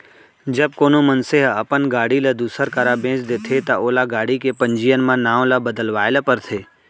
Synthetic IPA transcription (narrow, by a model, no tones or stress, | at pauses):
d͡ʒɐb̚koːnomənseɦəpənɡaːɽiləd̪uːsəɾkəɾabʱẽːt͡ʃd̪eːt̪ʰet̪aoːlaɡaːɽikepə̃ɲd͡ʒijənmãnãːwləbəd̪əlʋaːɪləpəɾt̪ʰeː